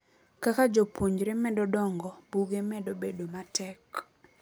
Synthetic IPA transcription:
kakad͡ʒopwoɲd͡ʒɾɛmɛdɔdɔŋɡɔb̥uɡemɛdobedomatʰɛk

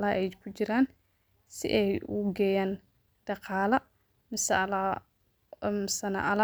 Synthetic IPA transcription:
laːʔɛjkʰʊt͡ʃɪɾaːn | sɪ̰ʔɛjʊ̰ɡɛːjaːn | ɖ̥ɑqɑːlɐ | mɪs | ɪsɐnɐ̰ʔɐl

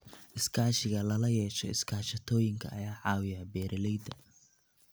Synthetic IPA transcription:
ʔɪskʰaːʃɪɣɐlɐlɐjɛːʃɔ̰ɪ̰skʰaːʃɐt̪ʰɔːjɪŋkʰɐ̰ɐjaːʕɑːwɪjɐbɛːɾʔɐlɛjd̪ɐ

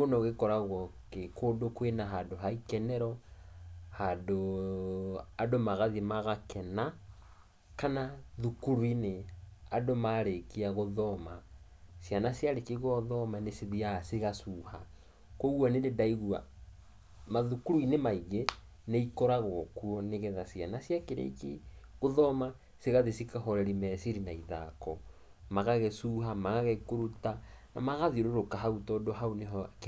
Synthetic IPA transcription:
onɔɣekɔɾaɣɔkekʰodokwenaɦadoɦaikɛnɛɾɔ | hado | adomaɣaðimaɣakʰɛna | kanaðukuɾwineadomaɾekiaɣoðɔma | sjanasjaɾekiɣɔðɔmanesiðiaseɣasuha | koɣwanededaiɣua̰ | maðukuɾuinemaiɣe | neikɔɾaɣɔkuɔneɣɛðasja̰nasjakeɾḛkeɣoðɔma | seɣaðesikahɔɾɛɾimɛsiɾinaiða̰kɔ | maɣaɣɛsuɦamaɣaɣɛkoɾutana̰maɣaðioɾoɾokaɦautɔdoɦaoneɦɔk

